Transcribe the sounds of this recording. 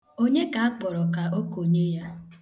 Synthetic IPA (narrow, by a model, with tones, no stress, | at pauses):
o˦ɲe˦ka˨a˦k͡pɔ˨ɾɔ˨ka˨o˦ko˨ɲe˦ja˦